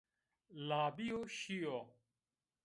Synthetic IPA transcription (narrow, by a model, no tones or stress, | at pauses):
laːbijoːɕijoː